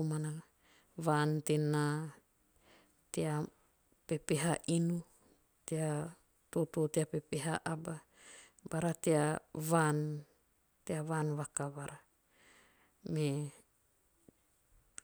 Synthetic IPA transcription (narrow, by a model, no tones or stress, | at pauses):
mana | βantena | tea | pe̞peɦaʔinu | tea | totoːteapepeɦaʔaba | baɾateaβan | teaβanβakaβaɾa | me